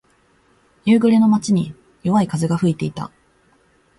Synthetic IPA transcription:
jɯːɡɯ̟ɾe̞no̞mat͡ɕiɲ̟i | jo̞βaikazɨɡaɸɯ̟it̪e̞it̪a̰

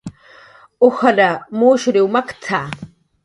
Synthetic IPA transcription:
ʊxalamoːʃɾɪwmakt̪ʰaː

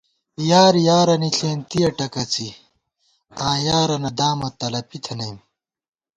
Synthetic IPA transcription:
jaːɾjaːɾɐniɬeːnt̪ijɐʈɐkɐt͡si | ãːjaːɾɐnɐd̪aːmɐt̪ɐlɐpit̪ʰɐnɐjm

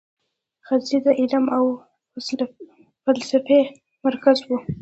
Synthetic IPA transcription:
xazid̪əʔɪlamaw | falsafe | maɾkazwu

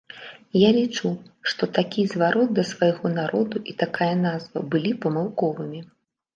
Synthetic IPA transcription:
jalʲit͡ʂuʂt̪ɔt̪akʲizvaɾɔd̪̚d̪ɐsvajɣɔnaɾʔɔd̪uʔit̪akajɐnazvɐ̰bɨlʲipɐmɨwkɔvɨmʲi

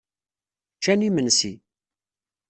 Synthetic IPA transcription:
t͡ʃːænimənsi

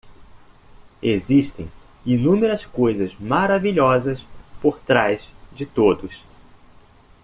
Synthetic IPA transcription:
eziʃt̪ẽj̃ | inũmeɾɐskojzɐzmaɾaviʎɔzɐspoɾt̪ɾajzd͡ʒɪt̪od̪ʊs

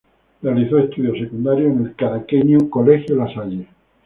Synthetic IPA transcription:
realiθoest̪uðjosekund̪aɾjoenelkaɾakeɲukolexjolasaʎe

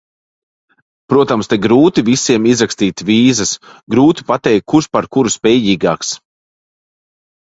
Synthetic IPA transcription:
pɾuɔt̪amst̪eɡɾuːt̪ivisiɛmizɾakst̪iːt̪viːzɐsɡɾuːt̪i̥pat̪ɛjk̚kʰːuɾʃpaɾkuɾuspʲɛːjiːɡaːks

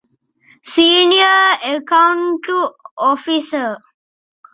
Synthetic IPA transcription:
siːnijəekaɳʈuofisə

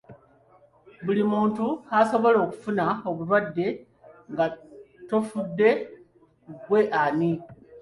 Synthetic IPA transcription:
bulimuːntuaso̞βo̞lo̞ːku̥funao̞βuɾwadːe̞ | ŋɡa | to̞fudːe̞ | ɡwe̞ʔani

